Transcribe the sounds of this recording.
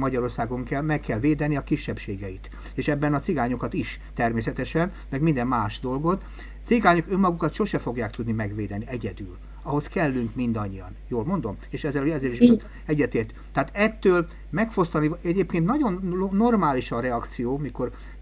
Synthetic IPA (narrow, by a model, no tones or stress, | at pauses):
mɒɟɒɾo̞rsaːɡo̞ŋkɛlmɛkːɛlveːd̪ɛniɒkiʃːɛpʃeːɡɛit̪ | eːʃɛbːɛnɒt̪siɡaːɲukɒt̪iʃ | t̪ɛrmeːsɛt̪ɛʃɛn | mɛɡmind̪ɛmmaːʃd̪o̞lɡo̞t̪ | t̪siɡaːɲukø̞mːɒɡukɒt̪ʃo̞ʃɛfo̞ɡjaːk̚t̪ud̪nimɛɡʋeːd̪ɛniɛɟɛd̪yl | ɒɦo̞skɛlːyŋkmind̪ɒɲːijɒ̰njoːlmo̞nd̪o̞meːʃɛzɛloɛzeːɾiʃ | ɛɟːɛt̪eːrt̪yt̪ːɛaːt̪ɛt̪ːøːl | mɛkfo̞st̪ɒniɛɟeːpkeːnt̪nɒɟo̞nnːo̞rmaːliʃɒɾɛɒkt̪sijoːmiko̞r